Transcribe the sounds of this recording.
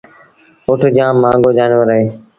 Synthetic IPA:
ʊʈʰd͡ʒãːmːãːŋɡoːd͡ʒaːnʋəɾəɦeː

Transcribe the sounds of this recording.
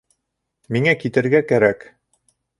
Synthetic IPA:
miŋækit̪ɘ̆ɾɡækæɾæk

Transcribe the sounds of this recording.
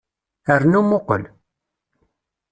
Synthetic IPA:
əɾnumʊqə̰l

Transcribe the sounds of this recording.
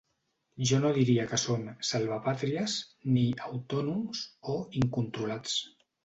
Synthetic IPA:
ʒɔnoðiɾiəkəsomsalˠβ̞əpat̪ɾiəzniawt̪ɔnumzoiŋkunt̪ɾulat͡s

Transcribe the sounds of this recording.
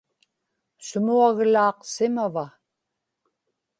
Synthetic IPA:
sʊmuaɣlɑːqsɪmava

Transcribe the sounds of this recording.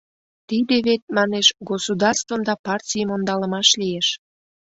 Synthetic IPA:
t̪id̪eβet̪̚mɑneʃɡosud̪ɑrst̪vəmd̪ɑpɑrtʲijəmond̪ɑləmɑʃlijeʃ

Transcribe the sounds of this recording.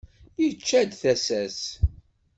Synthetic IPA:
jət͡ʃːæd̪θæsæs

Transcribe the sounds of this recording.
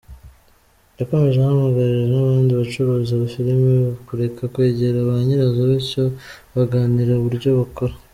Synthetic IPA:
jako̞me̞ʒehamaɡaɾiʒenaβaːndiβat͡ʃuɾuːziaβafiɾimekuɾe̞kʰakwe̞ːɟe̞ɾaβaɲiɾazoβico | βaɡaːniɾauβuɾɟo̞βako̞ɾa

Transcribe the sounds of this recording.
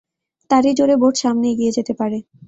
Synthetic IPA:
t̪aɾid͡ʑoɾeboʈʃamneeɡijed͡ʑet̪epaɾe

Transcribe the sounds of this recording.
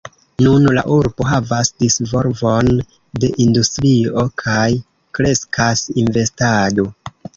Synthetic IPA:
nunla̰ʔuɾbo̞ɦavasdisvo̞ɾvo̞n | de̞ʔindustɾio̞kʰaj | kɾe̞skʰasinve̞stado̞

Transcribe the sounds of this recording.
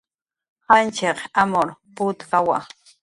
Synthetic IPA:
hant͡ʃeqamoɾpʊt̪kawa̰

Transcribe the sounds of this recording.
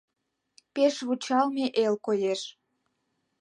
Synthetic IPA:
peʃβut͡ɕɑlmeʔelkojeʃ

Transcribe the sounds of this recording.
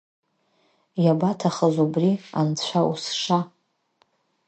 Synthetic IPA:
jabatʰaχəzubria̰nt͡sʷʰaṵsʂa

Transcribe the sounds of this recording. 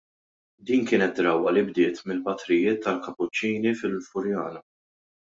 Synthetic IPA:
d̪iːnkɪːnɛt̪̚ːɾɐwɐlɪbd̪ɪːt̪mɪlpɐt̪ɾɪjɪːt̪ːɐlkɐpːʊt͡ʃːiːnifɪlfʊɾjɐ̰ːnɐ

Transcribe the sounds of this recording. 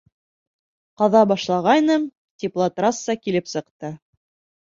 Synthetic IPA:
qɑðɑbɑʃlˠɑʁɑjnɤm | t̪ʲiplˠat̪ɾɑsːɑkilɘpsɤ̆qt̪ɤ

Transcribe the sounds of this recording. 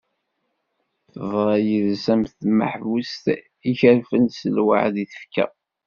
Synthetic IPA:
θəðˤɾˤɑjəðsæmθmə̰ħvust̪ | içəɾfənsəlwa̰ʕðiθə̥fkæ̰

